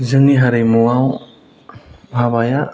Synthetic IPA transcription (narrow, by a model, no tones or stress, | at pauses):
zɯŋiɦaɾemuwaw | bʱabaja